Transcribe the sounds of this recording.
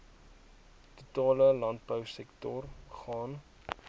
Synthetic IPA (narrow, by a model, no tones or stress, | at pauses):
tutɑːləlɐnt̚bəwsɛktɔrχɑːn